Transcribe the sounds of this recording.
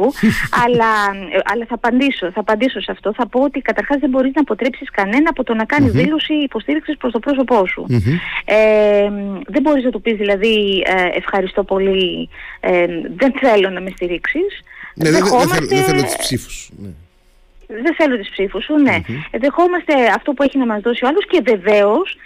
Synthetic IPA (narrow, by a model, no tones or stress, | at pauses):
uɐlɐʔɐlɐθɐːpɐnd̪iso̞θɐːpɐnd̪iso̞seɐft̪o̞θɐpo̞ot̪ikɐt̪ɐɾxɐzðembo̞ɾiznɐːpo̞t̪ɾepsiskɐne̞nɐːpo̞t̪o̞nɐkɐnizðilo̞siːpo̞st̪iɾiksispɾost̪o̞pɾo̞s̬o̞po̞sṵemðe̞mbo̞ɾiznɐt̪upizðilɐðiḛfxɐɾist̪o̞po̞li | eðe̞nθe̞lo̞nɐme̞st̪iɾiksisnðexo̞mɐsðeθelotisssifu̥sne | ðeθe̞lot̪ispsifusune̞ðe̞xo̞mɐst̪e̞ɐft̪o̞pue̞çinɐmɐzðosioɐlosce̞ve̞ve̞os